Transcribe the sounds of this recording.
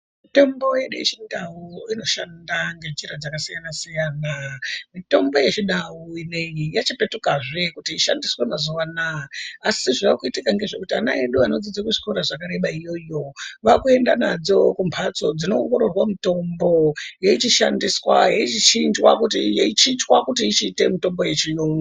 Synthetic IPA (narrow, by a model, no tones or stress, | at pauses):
mite̞mbo̞je̞ɗujḛt͡ʃindawuino̞ʃa̰ndaŋɡe̞d͡ʒiɾad͡zakasijanasijaːnamito̞mbo̞jet͡ʃiɗawuine̞jijat͡ʃipe̞tukaʐe̞kutiiʃa̰ndiswemazuʋanaːsiʐaakuitikaŋɡe̞ʐekutiana̰eɗuano̞d͡zid͡zakuʐikoɾaʐakaɾe̞ɓaijo̞jo̞ʋakue̞ndanad͡zo̞kumpʰat͡so̞d͡zino̞ːŋɡoɾo̞rwamito̞mbo̞jeit͡ʃiʃa̰ndiswa̰jeit͡ʃit͡ʃind͡ʒwa̰kutijeit͡ʃit͡ʃwakutiːt͡ʃiːte̞mito̞mbo̞je̞t͡ʃijoŋɡa